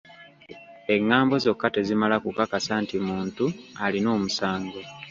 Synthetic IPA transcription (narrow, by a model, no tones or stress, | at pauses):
e̞ŋːaːmbo̞zo̞kːate̞zimalakukakasantimuːntualino̞ːmusaːŋɡo